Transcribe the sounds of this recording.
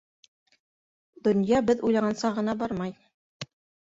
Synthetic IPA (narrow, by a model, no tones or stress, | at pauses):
d̪ɵ̆njɑbɘðujlˠɑʁɑnsɑʁɤ̆nɑbɑɾmɑj